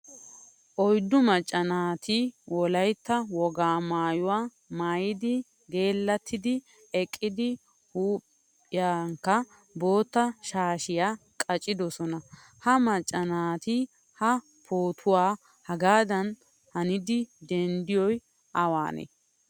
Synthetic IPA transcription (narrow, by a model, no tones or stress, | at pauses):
ʔɔjd̪ːʊmɐt͡ʃʼːɐnaːt̪ɪwɔlɐjt̪ːɐwɔɡaːmaːjʊwaː | maːjɪd̪ɪ | ɡe̞ːlːɐt̪ːɪd̪ɪ | ɛkʼːɪd̪ɪ | huːpʼː | ɪjaːŋkːɐ | bo̞ːt̪ːɐʃaːʃɪjaː | kʼɐt͡ʃʼːɪd̪ɔsɔnɐ | hɐmɐt͡ʃʼːɐnaːt̪ɪ | hɐ | pʰoːt̪ʰʊwaː | hɐɡaːd̪ɐn | hɐnɪd̪ɪd̪ɛnd̪ɪjɔj | ʔɐwa̰ːnḛ